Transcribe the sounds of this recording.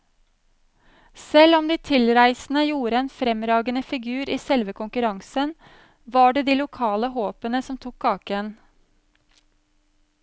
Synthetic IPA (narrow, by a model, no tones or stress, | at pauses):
sɛlɔmd̪iːt̪ʰɪlɾæɪsn̩əjuːɾəeːnfɾɛmɾɑːɡənəfɪɡʉːɾiːsɛlʋəkʊŋkʉɾɑŋsən | ʋɑːɖeːd̪iːlʊkʰɑːləhoːpənəsɔmt̪ʰʊkʰkɑːkən